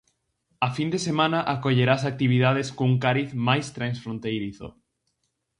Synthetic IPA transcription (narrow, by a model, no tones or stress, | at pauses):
afind̪esemãnaʔakoʎeɾasak̚t̪iβ̞iðaðeskouŋkaɾiθmajst̪ɾãnsfɾõnt̪ejɾiθo̰